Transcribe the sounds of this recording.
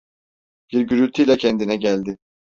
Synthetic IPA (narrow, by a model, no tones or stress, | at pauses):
b̥iɾɟyɾylʲt̪ʰijlʲɛcʰɛnd̪inɛɟælʲd̪ɪ